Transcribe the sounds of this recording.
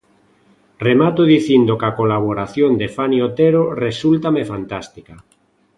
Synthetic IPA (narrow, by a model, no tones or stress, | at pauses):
remat̪oðiθind̪okakolaβ̞oɾaθjond̪efanjot̪eɾoresult̪amefant̪ast̪ika